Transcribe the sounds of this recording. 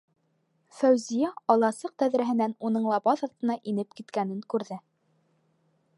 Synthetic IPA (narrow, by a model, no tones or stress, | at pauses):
fæwzijæɑlˠɑsɤq̚t̪æðɾæɦɘ̆nænunɤɴlˠɑbɑðɑɾt̪ɤ̆nɑʔinɘp̚kit̪kænɘŋkʉɾðɘ